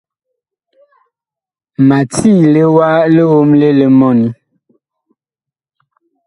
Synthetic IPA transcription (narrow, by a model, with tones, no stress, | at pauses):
ma˨tʰi˦˨le˦wa˦le˦wo˦mle˦le˨mɔ˦ni˦